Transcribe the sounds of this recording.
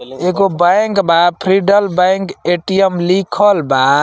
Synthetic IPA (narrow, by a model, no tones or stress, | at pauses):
eɡobaŋkbapʰɾiɖəlbaŋkeʈijəmlikʰəlba